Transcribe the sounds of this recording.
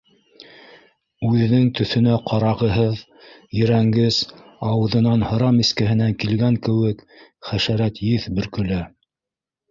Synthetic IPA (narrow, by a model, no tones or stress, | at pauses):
ʉðɘ̆nɘŋt̪ɵ̆θɵ̆næqʰɑɾɑʁɤ̆ɦɤð | jɘ̆ɾæŋɡɘzɑwɤ̆ðɤ̆nɑnhɤ̆ɾɑmiskɘ̆ɦɘ̆næŋkilɡæŋkɘ̆wɘk | χæʃæɾæt̪jɘθbɵ̆ɾkɵ̆læ